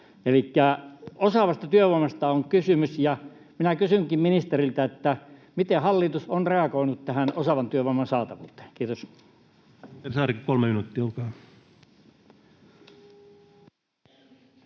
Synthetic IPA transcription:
elikːæosɑʋɑst̪ɑt̪yøʋoimɑst̪ɑoŋkysymysjɑ | minækysyŋkimminist̪erilt̪æet̪ːæmit̪ehɑlːit̪usonreɑkoinut̪t̪æhænosɑʋɑnt̪yøʋoˑmɑnsɑːt̪ɑʋṵːt̪ˑe̥ːkiːt̪os | ersɑːrikkolmeminut̪ːiolkɑː

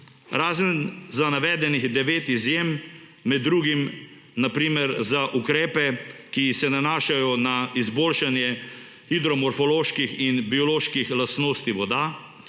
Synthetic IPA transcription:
ɾaːzənzanaʋɛːd̪ɛniɣd̪ɛʋeːt̪izjemː | ɛd̪ːɾuːɡim | napɾiːmɛɾzaʔukɾɛːpɛkisɛnanaːʃajɔnaizboːlʃanjɛ | xid̪ɾɔmɔɾfɔloːʃkixinbiɔloːʃkixlast̪noːst̪iʋɔd̪a

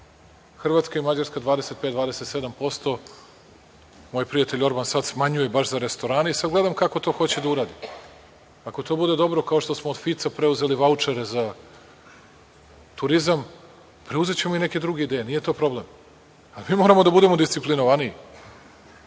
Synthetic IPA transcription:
xr̩ʋat̪skaimad͡ʑaɾskad̪ʋaːd̪eset̪̚pet̪d̪vaːd̪eset̪se̞d̪ampo̞st̪o̞ | mo̞jpɾijat̪e̞ʎʲo̞ɾbansad̪smaɲuje̞baʃzaɾe̞st̪o̞ɾaːneisad̪ɡle̞d̪amkako̞t̪o̞ːxo̞t͡ɕed̪auɾaːd̪i | ako̞t̪o̞ːbud̪e̞d̪o̞bɾo̞kao̞ʃt̪o̞smoːd̪fit̪sapɾe̞uze̞liʋaut͡ʂeɾeza | t̪uɾizam | pɾeuze̞t͡ɕemoine̞ke̞d̪ɾuɡeid̪ejenije̞t̪o̞ːpɾo̞ble̞m | alimiːmo̞ɾamo̞d̪abud̪e̞mo̞d̪ist̪iplinoʋanii

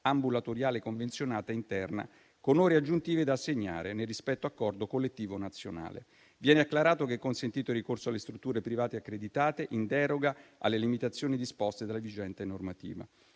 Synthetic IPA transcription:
ambulat̪oɾjaːlekoɱvensjonaːt̪aint̪ɛrna̰ | konoːɾead͡ʒːunt̪iːved̪aːsːeɲːa̰ːɾenerispɛt̪ːoakːɔrd̪okolːet̪ːiːvonat̪sːjona̰ːlḛ | vjɛːneakːlaɾaːt̪okeɛkːonsent̪iːt̪oirːikorsoalːest̪ɾut̪ːuːɾepɾivaːt̪eakːɾed̪it̪aːt̪eʔind̪ɛɾoɡaa̰lːelimit̪at̪sːjoːnid̪ispɔst̪ed̪alːavid͡ʒɛnt̪enormat̪ḭːva̰

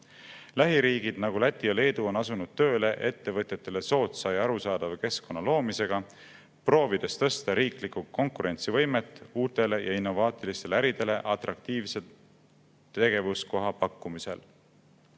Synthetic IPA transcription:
læɦiɾiːɡ̥id̪̥nɑɡ̥ulæt̪ʲːˑiɑle̞ːd̪̥uo̞nɑsunud̪̥̚t̪ø̞ːle̞ʔe̞t̪ːe̞vɤt̪jet̪ːˑe̞le̞so̞ːt̪sɑjɑɾusɑːd̪̥ɑvke̞sko̞nːɑlo̞ːmise̞ɡ̥ɑ | pro̞ːvid̪̥e̞st̪ɤ̞st̪ɑɾiːklikuko̞ŋkuɾe̞nt̪sivɤ̞jme̞t̪ːˑuːt̪ːˑe̞le̞jɑinːo̞vɑːt̪ˑilist̪e̞leæɾid̪̥e̞le̞ʔɑt̪ˑrɑk̚t̪iːvse̞ | t̪e̞ɡ̥e̞vusko̞ɦɑpɑkːumise̞̰l

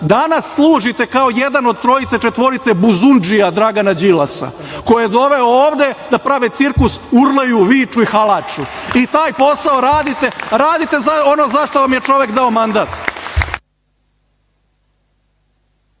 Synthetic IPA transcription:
d̪anasːlˠuːʒit̪e̞kao̞jed̪ano̞d̪̚t̪ɾo̞it̪se̞t͡ʃe̞t̪ʋo̞ɾit̪sebuzund͡ʒijad̪ɾaɡanad͡ʑilasa̰ | kojijed̪o̞ʋe̞ooːʋd̪e̞d̪apɾaʋet̪siɾkusuɾlejuʋiːt͡ʃuixalˠat͡ʃuit̪aːjpo̞saoɾaːd̪it̪e̞ɾaːd̪it̪e̞zaono̞zaʃt̪o̞ʋamje̞t͡ʃo̞ʋe̞kd̪ao̞mand̪at̪

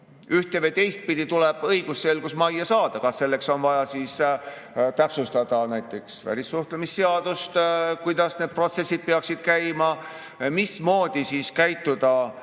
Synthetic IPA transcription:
yht̪evejt̪e̞jst̪̚pid̪it̪uleb̥ɤjɡ̥usːse̞lɡ̥usmɑjːɑsɑːd̪̥ɑkɑsːe̞lːe̞kso̞nvɑjɑsiːs | t̪æpsust̪ɑd̪̥ɑnæjt̪ːˑe̞ksvæ̰ɾʲisːuht̪lemisːeɑd̪̥ust̪kujd̪̥ɑsned̪̚pro̞t̪se̞sʲːid̪̚peɑksid̪̥kæjmɑ | mismo̞ːd̪̥isiːskæjt̪ːˑud̪̥ɑ

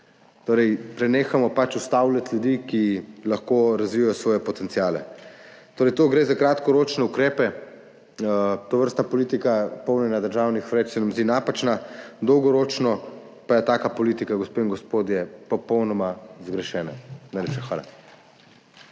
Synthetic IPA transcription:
t̪oːɾɛjpɾɛneːxamɔpat͡ʃust̪awlʲat̪ljud̪ikilaxkoɾazʋiːjajɔsʋɔːjɛpɔt̪ɛnt̪sijaːlɛ̰t̪oːɾɛjt̪oːɡɾeːzakɾat̪kɔɾoːt͡ʃnɛukɾeːpɛ | t̪oʋəɾst̪napɔliːt̪ikapɔwnɛnad̪əɾʒaːwnixʋɾɛt͡ʃsɛnamzd̪inapat͡ʃnad̪ɔwɡɔɾot͡ʃnɔ | pajɛt̪aːkapɔlit̪ikaɡɔspeiŋɡɔspoːd̪jɛpɔpɔwnɔmazɡɾɛʃɛːna̰najleːpʃɛxʋaːla̰

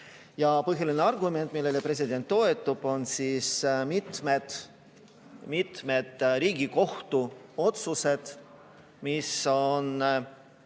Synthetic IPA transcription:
jɑpɤɦjɑlineɑrɡume̞nt̪ːˑmilːe̞lepɾe̞s̬id̪e̞nt̪ːo̞e̞t̪ːˑub̥o̞nsiːsmit̪med̪̥ | mit̪me̞d̪̥ɾiːɡiko̞ht̪uo̞t̪suse̞d̪̥ | miso̞n

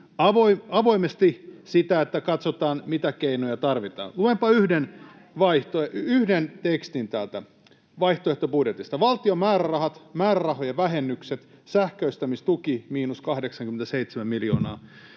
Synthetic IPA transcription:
ɑʋoiɑʋo̞imest̪isit̪æet̪ːækɑt̪sot̪ɑːnmit̪ækeinojɑt̪ɑrʋit̪ɑ̰ːnluempɑyhden | ʋɑiht̪oeyhdent̪ekst̪int̪ælt̪æ | ʋɑiht̪oeht̪obudjet̪ist̪ɑʋɑlt̪iomæːɾærɑhɑt̪mæːɾærɑɦojɑʋæɦenːykset̪sæhkøist̪æmist̪ukimiːnuskɑhdeksɑŋkyment̪æseit̪semæmiljoːnɑ̰ː

